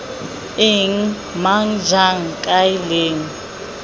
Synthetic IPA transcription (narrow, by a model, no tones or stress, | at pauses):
ɪŋ̩ | maŋ̩d͡ʒaŋ̩kʼaɪleːŋ̩